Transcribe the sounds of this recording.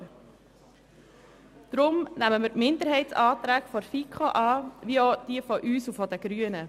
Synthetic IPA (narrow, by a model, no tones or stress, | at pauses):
d̥ɾʊmnæməməɾpmɪnd̪əɾɦɛɪtsɑːt̪ɾæːkfɔɾfikχoʔɑːʋiod̥iəfɔʔyːsufɔdəɡ̥ɾyənə